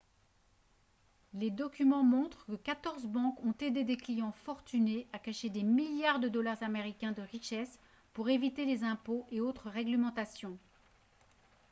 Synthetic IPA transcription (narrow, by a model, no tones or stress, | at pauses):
led̪ɔkʲymɑ̃mɔ̃t̪χəkəkat̪ɔʁzbɑ̃kɔ̃t̪ed̪ed̪eklijɑ̃fɔʁt̪yneakaʃed̪emiljaʁd̪əd̪ɔlaʁzameʁikʲɛ̃d̪əʁiʃɛs | puʁevit̪elezɛ̃poʔeot̪χəʁɛɡləmɑ̃t̪asjɔ̃